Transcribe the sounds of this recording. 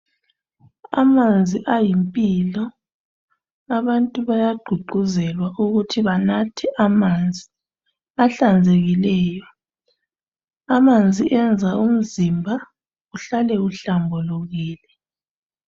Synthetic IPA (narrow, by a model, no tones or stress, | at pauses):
a̰mand͡zʱiʔajimpʼiːlɔ | aβantʼuβajaɡ͡ǃ̥ʱuɡ͡ǃʱuzɛlwaʔuɣutʰiβanatʰiʔamand͡zʱi | aɬand͡zʱeɣilɛːjɔ | amand͡zʱiʔɛnd͡zʱaum̩zimbʱa | ɣuɬalɛuɬambʱɔluɣiːlɛ